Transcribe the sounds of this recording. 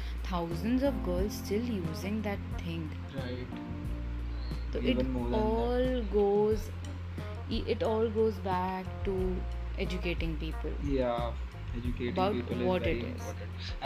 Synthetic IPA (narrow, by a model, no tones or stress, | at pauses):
t̪ʰaʊzə̃nɖzɔʋɡəːlzsʈɪljuːzɪ̃ŋɡd̪æʈ̚t̪ʰɪ̃ŋ | ɾaɪʈ | toːɪʈːɔːlɡoːz | ʔɪʈɔːlɡoːzbækʈu | ʔɛd͡ʒʊkeːʈɪ̃ŋɡpiːpə̰lja | ɛd͡ʒeəbaʊʋɔʈɪʈɪ̰z̥